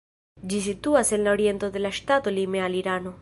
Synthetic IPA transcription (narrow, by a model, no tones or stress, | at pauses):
d͡ʒisit̪uasenloɾjent̪oðelaʃt̪at̪olimealiɾano